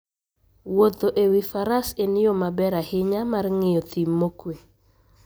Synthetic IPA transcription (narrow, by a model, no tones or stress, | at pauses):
wot̪oʔewifaɾasenɪjomabɛɾahɪɲamarŋɪjɔt̪imːokwe